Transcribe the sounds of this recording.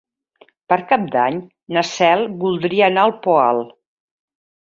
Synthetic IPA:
pəɾkap̚d̪aɲ | nəsɛlˠbulˠd̪ɾiəːnaəlˠpɔa̰lˠ

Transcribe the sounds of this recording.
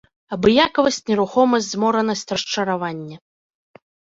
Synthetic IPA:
ɐbɨjakɐvɐsʲt͡sʲnʲɛɾuxɔmɐsʲdʲzmɔɾɐnɐsʲt͡sʲrɐʂt͡ʂɐɾavanʲːɐ

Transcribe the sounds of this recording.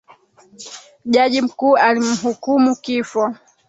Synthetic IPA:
ʄaʄim̩kuːalim̩ɦukumukifɔ

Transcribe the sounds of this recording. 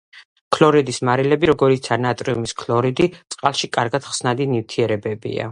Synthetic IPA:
kʰlˠɔɾid̪ismaɾilɛbiɾɔɡɔɾit̪sʰanat̪ʼɾiumiskʰlˠɔɾid̪it̪sʼqʼalˠʃikʼaɾɡad̪̥χsnad̪inivt̪ʰiɛɾɛbɛbḭa̰

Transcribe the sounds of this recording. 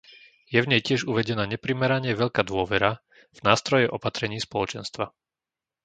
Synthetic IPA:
jɛvɲɛjcɪɛʒuʋɛɟɛnaːɲɛpɾimɛɾaɲɪɛʋɛʎkaːd̪ʊɔʋɛɾa | vnaːst̪ɾɔjɛʔɔpat̪ɾɛɲiːspɔlɔt͡ʃɛnst̪ʋa

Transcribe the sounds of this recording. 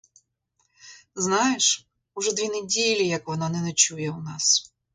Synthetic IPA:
znɑjeʂ | uʐɛd̪ʋʲinedʲilʲːijɐkʋɔnɑnɛnɐt͡ʃujɛwnɑs

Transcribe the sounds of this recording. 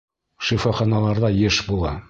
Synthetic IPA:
ʃifoχɑnɑlˠɑɾðɑjɘʃbulˠɑ̰

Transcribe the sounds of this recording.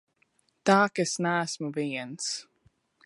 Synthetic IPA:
d̥ɑːkɨsnaːsmuviːə̃ns

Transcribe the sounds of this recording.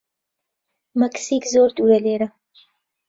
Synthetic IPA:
mɐksikzoːɾt̪ʼuɾɐleːɾɐ

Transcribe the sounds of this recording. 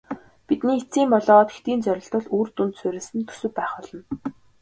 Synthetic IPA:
pit̪niːit͡siːmpɔɮɔːʁɔːt̪xt̪iːnt͡sœɾʲɪ̆ɬt̪ɞ̆ɮuːrt̪unt̪sʊɾʲĕsɘ̆nt̪ʰu̥sɵ̆w̚pæːχɔɮɞ̆n

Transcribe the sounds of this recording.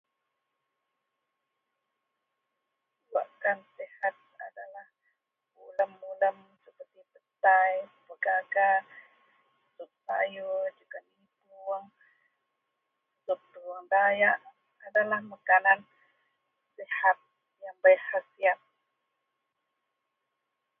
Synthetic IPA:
la̰ʔkansihat̪̚a̰dalah | uləmːuləm | səpərt̪ipət̪ajbəɡaɡa | sup̚ta̰jod͡ʒukanib | uŋ | sup̪̚duaŋdajaʔ | adalahmakanan | sihat̪̚ | jaŋbajhasiat̪̚

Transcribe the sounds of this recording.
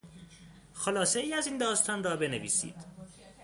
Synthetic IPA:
xolɒːse̞iːæzind̪ɒːst̪ʰɒːnrɒːbe̞nevḭːsḭːd̪̥

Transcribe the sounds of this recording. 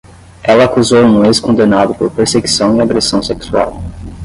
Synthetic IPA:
ɛlɐːkuzowũũeskõnd̪enad̪ʊpoɾpeɾseɡisɐ̃w̃iaɡɾesɐ̃w̃seksua̰w

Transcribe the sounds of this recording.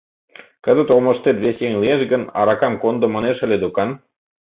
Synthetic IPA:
kə̆d̪ə̆t̪olmɤ̆ʃt̪et̪βesjeŋlieʃɡə̆nɑ̰ɾɑkɑmkond̪ŏmɑ̆neʃə̆lʲed̪ukɑn

